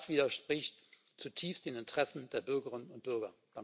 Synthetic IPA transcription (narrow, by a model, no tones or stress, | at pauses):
sv̥iːdɐʃpʁ̥ɪçt | t͡sutʰiːfstd̥eːnɪntʁ̥ɛsn̩deːɐbʏɐɡəʁɪnənʊnt̚b̥ʏɐɡɐd̥a